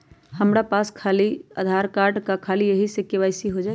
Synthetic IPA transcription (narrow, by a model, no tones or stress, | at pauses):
həmɾapaskʰalia̰d̪ʱaɾkaɾɖkakʰalijəɦisekeʋaɪsiɦod͡ʒa